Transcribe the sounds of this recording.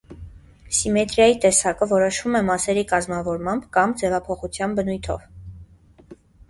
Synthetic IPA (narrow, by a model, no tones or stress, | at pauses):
simɛt̪ɾjɑjit̪ɛsɑkəvɔɾɔʃvumɛmɑsɛɾikɑzmɑvɔɾmɑmbkɑmd͡zɛvɑpʰɔχut͡sʰjɑnbənujt̪ʰɔ̰v